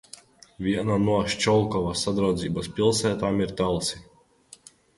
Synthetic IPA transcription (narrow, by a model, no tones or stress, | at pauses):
vʲiɛnanuɔʃt͡ʃɔlˠkɔvasad̪ɾawd̪ziːbaspʲilˠsæːt̪aːmiɾt̪alˠsi